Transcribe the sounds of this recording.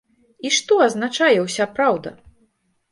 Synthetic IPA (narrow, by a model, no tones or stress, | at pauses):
iʂt̪ɔɐznat͡ʂajɛwsʲapɾawd̪ɐ̰